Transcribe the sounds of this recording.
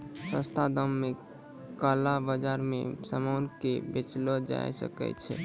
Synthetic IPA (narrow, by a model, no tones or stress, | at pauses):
sə̃st̪ʰad̪əmːe | kalabəd͡ʒaɾmḛ̃səmankebet͡ʃlɔd͡ʒa̰jsə̰kɛ̰t͡ʃʰɛ